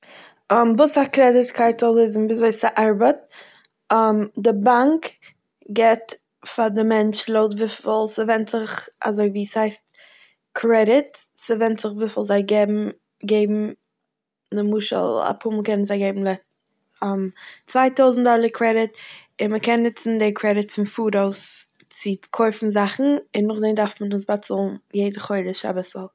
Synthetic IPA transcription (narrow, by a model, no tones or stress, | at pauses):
ɔmvuːsakɾɛdɪtkʰatalˠɪzm̩bɪzoɪsaʔaɾbət̚ | əmdɪbaŋk | ɡɛt | fadɪmɛnt͡ʃlˠoʊtvifɪlˠsəvɛntz̥ɪχa̰zoɪviːshaɪst̚ | kʰɾɛɾɪtsəvɛntz̥ɪχvɪfɪlˠzaɪɡɛbm̩ | ɡeɪbm̩ | nəmuʃə̰lˠa̰pʰʊml̩ˠkɛnənzaɪɡeɪbm̩lˠɛt̚ | amt͡svaɪtoʊzn̩tdɔlˠəkʰɾɛɾɪtɪnməkɛnːʊt͡sn̩dɪkʰɾɛɾɪtfɪnfuːɾoʊs | t͡sɪkʰoɪfn̩zaχn̩ɪnːʊχdɛndaɾfmənɪs̬bat͡sl̩ˠn̩jeɪdəχoɪdɪʃa̰bɪsəl̩ˠ